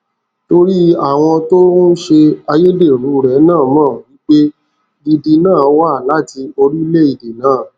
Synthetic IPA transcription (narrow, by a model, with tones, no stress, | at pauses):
to˧ɾi˦a˦˨w̃ɔ̃˧to˦nũ˦ʃe˧a˧je˦de˦˨ɾũ˨˦˧ɾɛ˨˦nãː˦˨mãː˦˨wi˦k͡pe˦ | di˧di˧nãː˦˨˦wa˦˨la˦ti˧o˧ɾi˦le˦i˦˨di˨nãː˨˦˨